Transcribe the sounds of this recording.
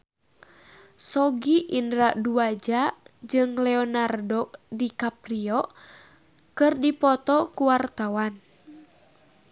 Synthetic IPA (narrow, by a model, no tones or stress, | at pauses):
sɔɡiʔindɾaduad͡ʒad͡ʒɨŋlɛɔnardɔk̚dikapriɔ | kɨrdipɔt̪ɔkuwart̪awan